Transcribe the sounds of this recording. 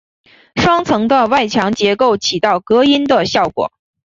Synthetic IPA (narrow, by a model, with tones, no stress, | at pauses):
ʂwɑ˥ŋt͡sʰɤ˧˥ŋd̪ə˧wa˥˩ɪt͡ɕʰjɑ˧˥ŋt͡ɕjɛ˧˥ko˥˩ʊt͡ɕʰi˨˩t̪ɑ˥˩ʊkɤ˧˥i˥nd̪ə˨ɕjɑ˥˩ʊkwɔ̰˨˩˦